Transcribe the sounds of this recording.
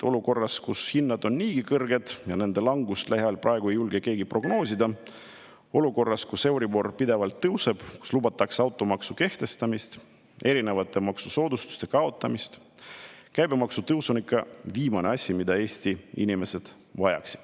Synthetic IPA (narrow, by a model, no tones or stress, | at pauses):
o̞luko̞rːɑskushinːɑd̪o̞nniːɡikɤrɡ̥e̞d̪̥jɑne̞nd̪̥e̞lɑŋɡust̪læɦjɑlprʔɑe̞ɡ̥ue̞jːulɡeke̞ːɡipro̞ɡno̞ːsʲid̪ɑ | o̞luko̞rːɑskuse̞wɾibo̞rpid̪e̞vɑlt̪ːɤwse̞b̥ku̥slub̥ɑt̪ːˑɑkseɑwt̪ːˑo̞mɑksuke̞ht̪e̞st̪ɑmist̪ | e̞ɾine̞vɑt̪ːˑe̞mɑksuso̞ːd̪ust̪u̥st̪e̞kɑo̞t̪ːˑɑmist̪ | kæjbe̞mɑksut̪ɤwso̞nikːˑɑviːmɑneɑsʲːimid̪̥ɑe̞ːsʲt̪iḭnime̞se̞d̪̥ | vɑjɑ̰ksi̥d̪̥